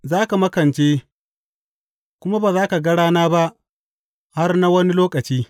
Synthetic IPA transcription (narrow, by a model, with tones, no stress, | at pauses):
zaː˦ka˨mɐ˦kɐ˨nt͡ʃeː˦ | kʷʊ˦ma˦baː˨zaː˦ka˨ɡɐ˦ɽaː˦naː˦ba˦ʔ | ha˦rna˦wɐ˦ni˦loː˦kʼɐ˨t͡ʃiː˦